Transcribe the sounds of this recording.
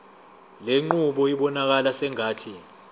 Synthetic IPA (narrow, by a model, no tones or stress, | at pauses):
leŋ͡ǃuɓɔiɓɔnak̬alasɛŋaːtʰi